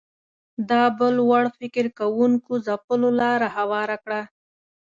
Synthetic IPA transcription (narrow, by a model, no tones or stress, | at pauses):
d̪ɑbəlwaɽfɪkɪɾkawuŋkozapəlolɑɾahawɑɾakɽa